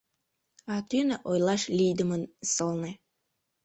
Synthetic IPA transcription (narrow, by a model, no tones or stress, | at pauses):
ɑt̪ynəʔojlɑʃlʲijd̪əmənsəlne